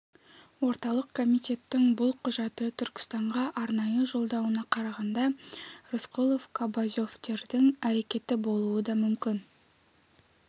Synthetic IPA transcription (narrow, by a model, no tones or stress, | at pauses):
wo̞ɾt̪ɑlˠəqkʰo̞mijt̪e̞t̪ːɪŋbʊlˠqʰʊʒɑt̪ət̪ʰʏɾkʲɪ̥st̪ɑɴʁɑʔɑɾnɑjəʒo̞lˠd̪ɑwənɑqʰɑɾɑʁɑnd̪ɑɾɪsqulˠofkʰobazʲo̞ft̪e̞ɾd̪ɪŋæɾe̞kʲe̞t̪ɪbo̞lˠuəd̪ɑmʏmkʲɪn